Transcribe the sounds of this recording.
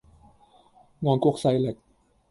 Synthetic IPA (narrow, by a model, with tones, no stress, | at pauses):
ŋɔː˧˥nku˥˩˨k̚sa˧˥jle˨˩k̚